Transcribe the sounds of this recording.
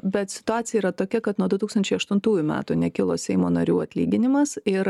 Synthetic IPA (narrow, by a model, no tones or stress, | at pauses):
bʲɛt̪sʲɪ̥t̪ʊɑːt͡sʲɪjɛiːɾɐt̪oːkʲɛkɐt̪nuɔd̪ʊt̪uːkst̪ɐnʲt͡ʃʲɛɪɐʃt̪ʊnt̪uːjʊmʲæ̰ːt̪unʲɛkʲɪlˠoːsʲɛɪmoːnɐɾʲuːɐt̪ʲlʲiːɡʲɪnʲɪmɐsɪɾ